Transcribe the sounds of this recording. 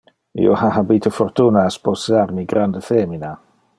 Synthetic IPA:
ḭɔ̰hahabiːtʰəfɔrtʰunasb̥osarniɡrandəθeːmina

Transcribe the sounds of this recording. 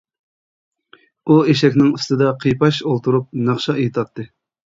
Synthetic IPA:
ueʃɛkʲnɪŋust̪ɨd̪ɑqʰijpɑʃolˠt̪ʰuɾup̚nɑχʃɑjt̪ʰɑt̪ːɨ

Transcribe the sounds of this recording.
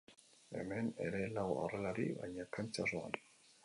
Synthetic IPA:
ḛmɛnḛɾelawa̰rɛlaɾiβa̰ɲakʰant͡saroa̰n

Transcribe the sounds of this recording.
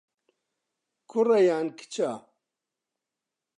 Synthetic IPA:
kʰurɐjaːnkʰi̥t͡ʃʰa

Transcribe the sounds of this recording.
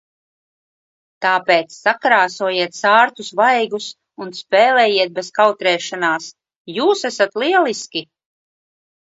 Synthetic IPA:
t̪aːpeːt̪sːakɾaːsuɔjiɛt̪saːɾt̪usvajɡus | unspeːlɛːjiɛt̪̚beskawt̪ɾɛːʃanaːs | juːsæsat̪liɛlˠiskʲi

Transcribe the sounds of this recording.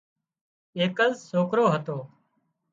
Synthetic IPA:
eːkəzsoːkɾoːɦət̪oː

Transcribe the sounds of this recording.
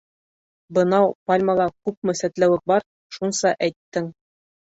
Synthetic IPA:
bɤ̆nɑwpalʲmɑlˠɑkʉp̚mɵ̆sæt̪læwɘk̚bɑɾ | ʃunsɑʔæjt̪ːɘŋ

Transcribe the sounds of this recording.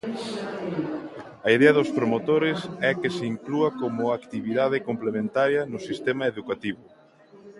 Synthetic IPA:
ɐiðɛɐðʊspɾomot̪oɾɪsɛkesɪiŋkluɐkomʊakt̪iβiðaðɪkomplemẽnt̪aɾjɐnʊsist̪emɐeðukat̪iβʊ

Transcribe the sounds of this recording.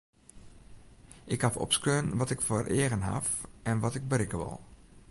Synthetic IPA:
ʔɪkhafɔ̰pskøːnʋɔtɪkfoərʔeəɣənɦa̰fʔɛnʋɔtɪɡ̚bərɪkəʋɪ̰lˠ

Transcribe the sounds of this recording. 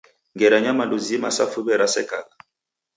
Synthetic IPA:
ŋɡɛɾaɲamaluzimasa̰fubɛɾasɛkaɡa

